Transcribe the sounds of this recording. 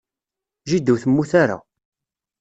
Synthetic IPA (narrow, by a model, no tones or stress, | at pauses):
ʒid̪əwθəmːuθaɾa̰